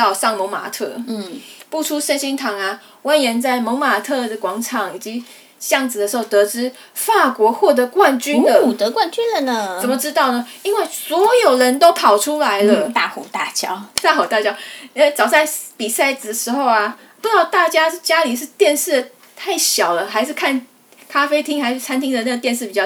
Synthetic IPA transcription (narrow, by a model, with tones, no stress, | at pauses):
ɑ˥˧ʊʂɑ˥˩ŋmo˧˥ŋma̰˨˩t̪ʰɤ̰˥˩˥pu˥˩ʈ͡ʂʰu˥ʂə˥˧nɕi˥ŋt̪ʰɑ˧˥ŋa˧ | wa˥nɥɛ˧˥nt͡sa˥˩ɪmo˧˥ŋma˨˩t̪ʰɤ˥˧˩d̪ə˩kwɑ˧˥ŋʈ͡ʂʰɑ˨˩˦ŋi˨˩t͡ɕi˧˥ | ɕjɑ˥˩ŋt͡sɹ̩˨d̪ə˩ʂ̩˧˥xo˥˩ʊt̪ɤ˧˥ʈ͡ʂɻ̩˥ | fa˥˩kwɔ˧˥xwɔ˥˩t̪ə˧˥kwa˥˨nt͡ɕy˥nd̪ə˨u˨˩t̪ɤ˧˦kwa˥˩nt͡ɕy˥nlə˨nə˧t͡sə˨˩nmə˨ʈ͡ʂɻ̩˥t̪ɑ˥˩ʊnə˩i˥nwe˥˩ɪswɔ˧˥jo˨˩ʊɻə˧˦˥nt̪o˥ʊpʰɑ˨˩ʊʈ͡ʂʰu˥la˧˥ɪlə˧t̪a˥˩xu˨˩t̪a˥˩t͡ɕjɑ˥ʊt̪a˥˩xo˨˩ʊt̪a˥˧˩t͡ɕjɑ˥ʊi˥we˥˩t͡sɑ˨˩ʊsa˥˩ɪpi˨˩sa˥˩ɪt͡sɹ̩˨˩əʂɻ̩˧˥xo˥˧ʊa˩ | pu˥˩ʈ͡ʂɑ˥˩ʊt̪a˥˩t͡ɕja˥ʂ̩˥˩t͡ɕja˥li˨˩ʂ̬ɻ̩˥˧t̪jɛ˥˧nʂɻ̩˥˩ | t̪ʰa˥˩ɪɕjɑ˨˩ʊlə˦xa˧˥ɪʂɻ̩˥˧kʰa˥˩n | kʰa˥fe˥ɪt̪ʰi˥ŋxa˧˥ɪʂɻ̩˥˩t͡sʰa˥nt̪ʰi˥ŋd̪ə˨na˥˩ɡə˩t̪jɛ˥˧nʂɻ̩˥˩pi˨˩t͡ɕjɑ˥˩